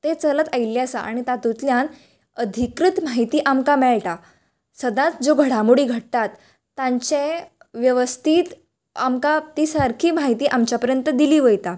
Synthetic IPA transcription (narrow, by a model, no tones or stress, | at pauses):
t̪et͡sələt̪ailːjasaa̰ɽ̃it̪at̪ut̪ljan | əd̪ʱikɾit̪maɦit̪iːʔamkamɛɭʈa | səd̪ãt̪d͡zoɡʱəɽ̤amuɽiːɡʱəɽ̚t̪at̪ː | ãɲt͡ɕẽ | ʋjəʋəst̪ʰiːt̪ | amkat̪isəɾkʰiːmaɦit̪iːʔamt͡ɕjapəɾjənt̪əd̪iliːʋəjt̪a